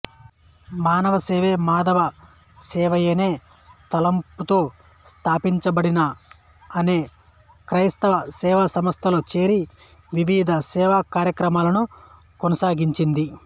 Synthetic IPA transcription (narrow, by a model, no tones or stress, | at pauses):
maːnɐʋɐseːʋe̞ːmaːd̪ɐʋɐ | sɛːʋɐjene̞ː | t̪ɐlɐmput̪o̞ː | st̪ʰaːpiɲt͡ʃɐbɐɽinɐː | ne̞ː | kɾɐjst̪ɐʋɐsɛːʋasɐmɐst̪ʰɐloːt͡ʃe̞ːɾi | ʋiʋiːd̪ʱɐsɛːʋaːkaːɾjɐkɾɐmaːlɐnu | konɐsaːɡiɲt͡ʃind̪i